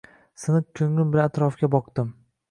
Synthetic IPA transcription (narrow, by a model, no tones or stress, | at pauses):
sɪnɨkʲʰɵŋlʊnbɪlaat̪ɾɒfɡʲabɒqd̪̥ɪm